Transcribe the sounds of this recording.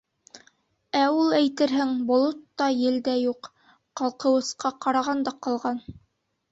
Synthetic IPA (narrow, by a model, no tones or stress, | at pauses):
æulˠæjt̪ɘɾɦɘŋbŏlˠot̪ːɑjɘ̆ld̪æjuq | qɑlˠqɤ̆wɤ̆sqɑqɑɾɑʁɑnd̪ɑqɑ̆lˠʁɑn